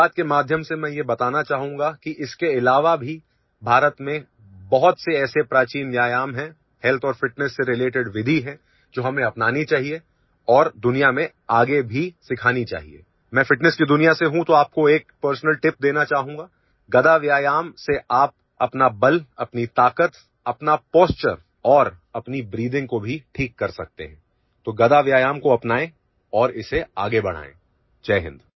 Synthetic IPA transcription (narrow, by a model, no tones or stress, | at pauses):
aːt̪̚kemaːd̪ʱjəmsemɛ̃ːjebɐt̪aːnat͡ʃaːɦũːŋɡakiʔɪskeɪlaːʋabʱi | bʱaːɾət̪mẽ | bɐɦɔt̪seɛːsepɾaːt͡ʃiːnʋjaːjaːmɦɛ̃ | hɛlt̪ʰɔːɾfɪʈnɛsːeɾɪleːʈɪɖʋɪd̪ʱiɦɛ̃ | d͡ʒoːɦɐmẽɐpnaːnit͡ʃaːɦie | ɔːɾd̪ʊnijamẽ | aːɡebʱisɪkʰaːnit͡ʃa̰ːɦḭḛː | mɛ̃ːfɪʈnɛskid̪ʊnijaseɦũt̪oaːp̚koeːk̚pəɾsnəlʈɪp̚d̪eːnat͡ʃaːɦũːŋɡaː | ɡɐd̪aʋjaːjaːmseʔaːp̚ | ɐpnabɐlɐpnit̪aːkət̪ | ɐpnapɔːst͡ʃəɾ | ɔːɾ | ɐpnibɾiːd̪ɪ̃ŋɡkobʱiʈʰiːkːɐɾsɐk̚t̪ḛɦɛ̃ː | t̪oːɡɐd̪aʋjaːjaːmkoɐpnaːẽ | ɔːɾɪsea̰ːɡebɐɽ̤a̰ːḛ̃ː | t͡ʃɛːɦɪ̰̃nd̪